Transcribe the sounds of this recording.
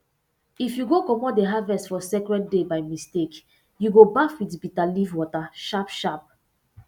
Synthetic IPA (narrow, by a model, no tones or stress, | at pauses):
ifjuɡokɔmɔtdeɦavɛstfɔsɛkɹɛdebaɪmistek | juɡobafwitbitalivwɔtaʃapʃap̚